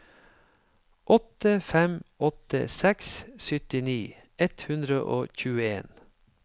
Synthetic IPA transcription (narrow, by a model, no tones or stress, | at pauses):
ʔɔt̪əfɛmʔɔt̪ə̰sɛkssʏt̪ɪniː | ɛt̪hʉnd̪ɾəʔoːçʉːəeːn